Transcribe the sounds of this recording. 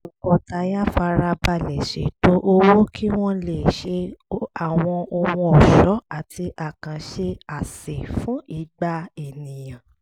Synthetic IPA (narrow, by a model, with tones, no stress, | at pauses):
ɔ˨kɔ˨ta˨˧ja˦fa˧ɾa˧ba˧lɛ˨ʃḛ˨to˦ʔo˧wo˦kʰi˦w̃ɔ̃˦le˦˨ʃe˧a˨w̃ɔ̃˧ɔ˧wɔ̃˧ɔ˨ʃɔ˨˦a˨tʰi˧ʔa˨kã˨ʃe˧a˨se˨fũ˨˦i˦˧˨ɡ͡ba˧e˨nĩ˨j̃ã˨